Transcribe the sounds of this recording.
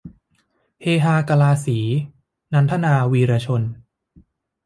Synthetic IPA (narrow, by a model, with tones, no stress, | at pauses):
heː˧ɦaː˧ka˧laː˧siː˩˦ | na˦˧nt̪ʰa˥naː˧wiː˧ɾaː˧t͡ɕʰo˧n